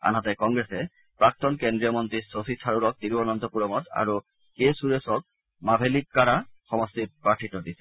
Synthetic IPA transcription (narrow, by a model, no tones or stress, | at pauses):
a̰nɦat̪ekɔŋɡɾese | pɾak̚t̪onkend̪ɾiomɔnt̪ɾisosit̪ʰaɾuɾɔk̚t̪iɾbɔnɔnt̪opuɾomɔt̪a̰ɾo | kesuɾesɔk̚ | mabʱelik̚kaɾaxɔmɔst̪iɾpɾaʈʰiʈod̪isʰe